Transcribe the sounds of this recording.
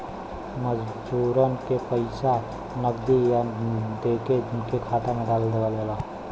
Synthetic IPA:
məd͡ʒ | d͡ʒuːɾənkepəɪsa | nəɡd̪ijad̪eːked͡ʒɪnkekʰaːt̪amẽɖaːbəld̪eɡaːlaːlaː

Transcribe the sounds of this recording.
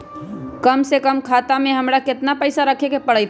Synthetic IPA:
kəmsekəmkʰaːt̪amẽɦəmɾakɪt̪napəɪsaɾəkʰekepəɽəjt̪

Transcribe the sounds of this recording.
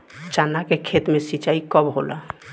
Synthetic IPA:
t͡ʃanakekʰet̪mesit͡ʃaikəbɦo̰la̰

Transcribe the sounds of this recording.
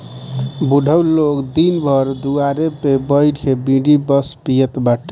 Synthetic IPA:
buɖʱəwlokd̪inbʱʌɾd̪uaɾepebəjɾkʰebĩɖibəspijət̪baʈ

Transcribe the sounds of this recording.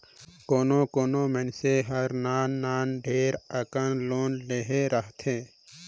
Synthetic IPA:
koːnõːkoːnõːmẽnseɦəɾnaːnːaːnɖʱeːɾəkənloːnleɦeɾəɦt̪ʰẽː

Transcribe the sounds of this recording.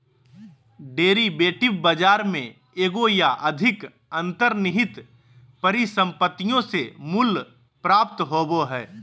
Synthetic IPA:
ɖeːɾibeːʈɪbbəd͡ʒaːɾmẽ | eːɡojaʔɐd̪ʱɪk | ə̃nt̪əɾnɪɦɪt̪ | pəɾisə̃mpət̪ːijõsemʊl | pɾaːp̚t̪ɦoːboɦɛː

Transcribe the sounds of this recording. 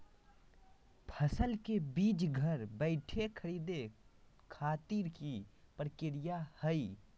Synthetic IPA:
pʰəsəlkebiːd͡ʒɡʱəɾbəɪʈʰekʰəɾiːd̪e | kʰaːt̪iɾkipɾkɪɾijahəi

